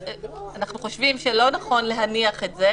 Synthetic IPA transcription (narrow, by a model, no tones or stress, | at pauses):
anaχnuχo̞ʃvimʃelo̞naχo̞nle̞ɦaniaχetze